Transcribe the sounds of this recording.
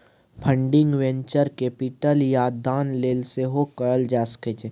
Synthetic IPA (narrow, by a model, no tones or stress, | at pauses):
pʰə̃ɳɖɪ̃ŋɡʋɛ̃ɲt͡ʃəɾkepɪʈəljaːd̪aːnleːlseɦokəɾəld͡ʒaːsə̥keːt͡ʃe